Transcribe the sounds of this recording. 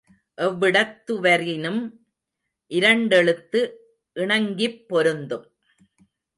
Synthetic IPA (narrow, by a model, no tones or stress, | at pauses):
ʔɛʋːɪɽɐt̪ːɯʋɐɾɪnɯm | ʔɪɾɐɳɖɛɭɯt̪ːɯ | ʔɪɳɐŋɡɪpːɔɾɯnd̪ɯm